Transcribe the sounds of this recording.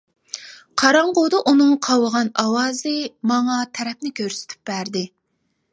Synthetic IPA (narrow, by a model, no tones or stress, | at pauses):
qʰɑɾɑɴqod̪ɑʔunɨŋqʰɑwəʁɑnɑwɑːzɨmɑŋɑt̪ʰɛɾɛp̚nɪkʲʰøɾsɪ̥t̪ʰy̥p̚bæɾd̪ɪ